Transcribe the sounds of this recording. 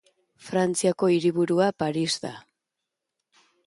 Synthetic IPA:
fɾant͡siako̞iɾiβuɾuapaɾizd̪a̰

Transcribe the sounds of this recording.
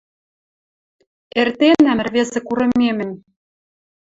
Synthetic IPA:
ert̪enæmɘ̆rβesĕkuɾɤ̆memɘ̆n

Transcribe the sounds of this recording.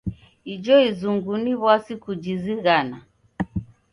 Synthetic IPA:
id͡ʒɔizuŋɡuniβwasikud͡ʒiziɣana

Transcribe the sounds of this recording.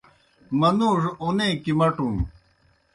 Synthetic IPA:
mɐnuːʐonẽːkimɐʈum

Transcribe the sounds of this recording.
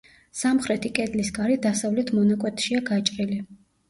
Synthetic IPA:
samχɾɛt̪ʰikʼɛd̪lisɡaɾɛd̪asavlɛt̪ʰmɔnakʼwɛt̪ʰʃiaɡat͡ʃʼqʼili

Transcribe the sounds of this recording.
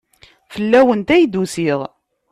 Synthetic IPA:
fəlːæwənt̪æjd̪usiʁˤ

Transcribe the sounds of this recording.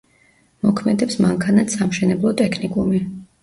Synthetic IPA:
mɔkʰmɛd̪ɛpsmaŋkʰanat̪samʃɛnɛblˠɔt̪ʼɛkʰnikʼumi

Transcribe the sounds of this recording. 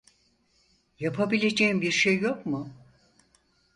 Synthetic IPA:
japʰabilʲe̞d͡ʒeimbiɾʃejːo̞kmʊ

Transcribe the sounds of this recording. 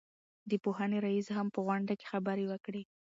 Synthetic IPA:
d̪əpoɦaneɾaisɦampəɣwaɳɖake̥xabəɾewəkɽe

